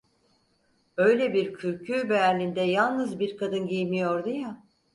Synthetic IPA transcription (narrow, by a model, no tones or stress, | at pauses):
ø̞jlʲɛbiɾcʰyɾcʰyːbeæɾlʲind̪ɛjalˠnɯzbiɾkʰad̪ɯnɟijmijoɾd̪uja